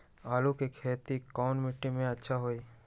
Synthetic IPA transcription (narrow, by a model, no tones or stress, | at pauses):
aːlukikʰeːt̪ikɔːnmɪʈːimẽɐtːʃʰaɦoiː